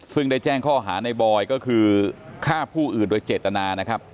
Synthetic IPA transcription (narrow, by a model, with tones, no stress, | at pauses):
sɯ˥˩ŋda˥˩jt͡ɕɛː˥˩ŋkʰɔː˥˩ɦaː˩˦na˧jbɔː˧jkɔː˥˩kʰɯː˧kʰaː˥˩pʰuː˥˩ʔɯː˨˩ndoː˧jt͡ɕeː˨˩t̪ːa˧naː˧na˦˥kʰɾa˦˥p̚